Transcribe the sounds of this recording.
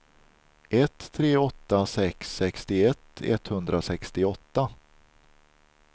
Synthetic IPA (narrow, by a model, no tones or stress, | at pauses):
ʔɛt̪ʰːɾeːɔt̪ːasɛksːɛkst̪ɪɛt̪ʰːɛ̰t̪hɵnd̪ɾasɛkst̪ɪɔt̪ːa